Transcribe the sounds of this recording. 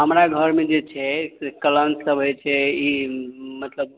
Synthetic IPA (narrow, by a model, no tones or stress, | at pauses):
ɦəmɾaɡʱəɾmed͡ʒet͡ʃʰɛsekələnsəbʱəjt͡ʃʰɛimət̪ləb̚